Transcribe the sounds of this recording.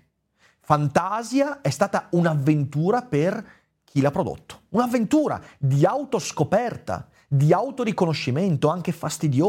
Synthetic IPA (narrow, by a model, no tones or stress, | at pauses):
fant̪azjaɛst̪aːt̪aunavːent̪uːɾaper | k̟ʰilapːɾod̪o̰t̪ːo̥unavːent̪uːɾa̰d̪iawt̪oskopɛrt̪a̰ | d̪iawt̪oɾikonoʃːiment̪oaŋk̟efast̪id̪joː